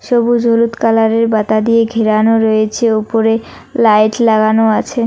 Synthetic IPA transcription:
ʃobud͡ʑʱolut̪kalaɾeɾbat̪ad̪ijeɡʱeɾanoɾoet͡ɕʰeupoɾe | lajʈlaɡanoat͡ɕʰe

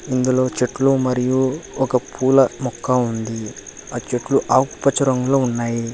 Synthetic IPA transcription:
ind̪ulo̞ːt͡ʃeʈːlumɐɾijuɔkɐpʰuːlɐmɔkːɐund̪iaːt͡ʃeʈluʔaːku̥pɐt͡ʃɐɾɐŋɡuloːunːaːji

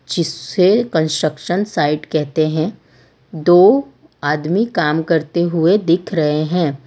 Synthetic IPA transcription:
d͡ʒɪsekə̃nsʈɾəkʃənsaːɪɖkɛɦt̪eɦɛ̃ | d̪oː | aːd̪mikaːmkɐɾt̪eɦʊed̪ɪkʰɾɐɦeɦɛ̃ː

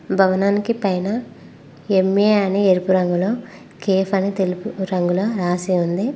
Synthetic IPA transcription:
bʱɐʋɐnaːnikipɐjnɐ | emːeːɐnieɾipuɾɐŋɡulo̞ː | keːfɐnit̪elupuɾɐŋɡuloːɾaːsiund̪i

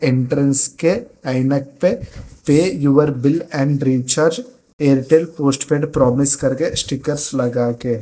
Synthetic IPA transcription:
ẽɳʈɾə̃nskeɐɪnək̚pepeːjuʋəɾbɪlɛ̃ːɳɖɾiːt͡ʃəɾd͡ʒ | eːɾʈeːlpoːsʈpeːɖpɾɔːmɪskɐɾkesʈɪkəɾslɐɡaːkeː

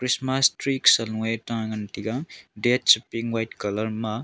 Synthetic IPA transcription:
kɾismastɾiksɐletaŋɐntiɡaŋdet̚sipiŋwajtkɐlɐɾmɐ

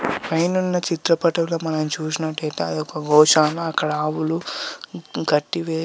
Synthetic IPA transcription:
pɐjnunːɐt͡ʃit̪ɾɐpɐʈɐʋloːmɐnɐmt͡ʃuːs̬inɐʈːɐjt̪eːɐd̪iɔkɐɡɔːʃaːnɐɐkːɐɽaːʋulu | ɡɐʈːiʋeː

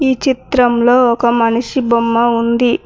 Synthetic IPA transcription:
iːt͡ʃit̪ɾɐmlo̞ːɔkɐmɐnɐʂibomːɐund̪i

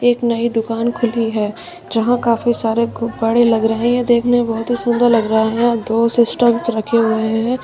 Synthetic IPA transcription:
eːknɐid̪ʊkaːnkʰʊliɦɛː | d͡ʒɐɦãkaːfisaːɾebɐɽelɐɡɾəɦẽɦɛ̃d̪eːkʰnẽbɔɦʊt̪ɦisʊnd̪əɾlɐɡɾəɦɦẽd̪oːsɪsʈəmsɾɐkʰeɦoɾɐɦẽɦɛ̃ː

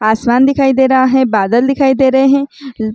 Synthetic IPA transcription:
aːsmaːnd̪ɪkʰaːid̪eːɾaɦaɦɛ̃baːd̪əld̪ɪkʰaːid̪eːɾəɦeɦɛ̃

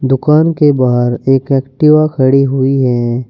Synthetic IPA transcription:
d̪ʊkaːnkebaːɦɾeːkɛːkʈɪʋakʰəɽiɦʊiɦɛː

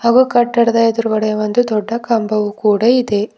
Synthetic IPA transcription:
haːɡuːkɐʈːɐɽɐd̪aːjɐd̪ɐɾuʋɐɽɐjɐʋond̪ud̪ɔɖːɐkɐmbɐʋukuːɽɐid̪e̞

